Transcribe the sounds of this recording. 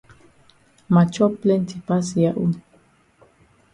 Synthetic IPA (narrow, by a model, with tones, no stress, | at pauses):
ma˨t͡ʃɔ˦ple˦n˦tʰi˨pa˦si˨ja˦ʔu˦n